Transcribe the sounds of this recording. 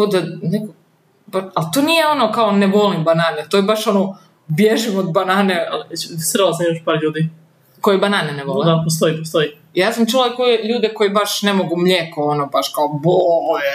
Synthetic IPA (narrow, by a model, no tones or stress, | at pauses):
od̪aneko | baalt̪oːnijeo̞nokaoneʋolimbanaːnet̪oibaʃo̞no | bjeʒimod̪̚banaːnea̰lisr̩lasamimaʃpaːɾʎuːd̪i | ko̞jebanaːneneʋolled̪apost̪oipost̪oi | jaːsamt͡ʃulakojeʎuːd̪eko̞jibaʃnemoɡumʎekoonobaʃkaobo